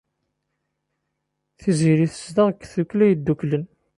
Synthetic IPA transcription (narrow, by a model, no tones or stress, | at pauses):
θiziɾiθə̥sd̪əʁəkːθuklæjəd̪ːuklən